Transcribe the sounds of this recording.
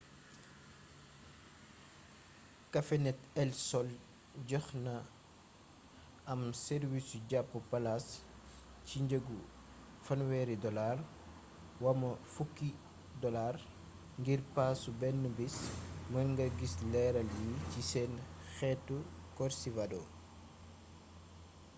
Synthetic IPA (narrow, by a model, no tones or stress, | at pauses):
kɐfɛnɛtɛlsɔl | ɟɔxnɐ | ɐmsɛɾwisuɟapːupɐlas | ciɲɟəɡu | fɐnwɛːɾidɔlar | wɐmɐfukːi | dɔlar | ŋɡirpaːsubɛnːubismɐŋɡɐɡislɛɾɐljicisɛnxɛtːukɔɾsivadɔ